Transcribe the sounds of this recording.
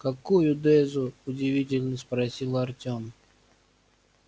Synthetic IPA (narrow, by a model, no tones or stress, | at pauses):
kɐkujʊd̪ɛzʊʊdʲɪvʲitʲɪlʲnəspɾɐsʲilˠɐrtʲom